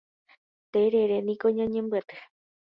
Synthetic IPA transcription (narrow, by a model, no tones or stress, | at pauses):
t̪eɾeɾenĩkoɲãɲẽmbɨat̪ɨ̥